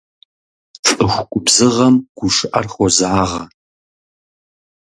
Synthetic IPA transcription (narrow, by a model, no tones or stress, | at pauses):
fʼɨxʷʊkʷʼʊbzɨʁɐmɡ̥ʷʊʂɨʔɐrχʷɔzaːʁɐ